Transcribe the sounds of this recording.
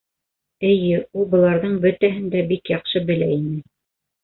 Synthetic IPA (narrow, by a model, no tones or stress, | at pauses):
ɘ̆jɘulˠbɤ̆lˠɑɾðɤɴbɵt̪æɦɘ̆nd̪æbikjɑqʃɤbɘ̆læinɘ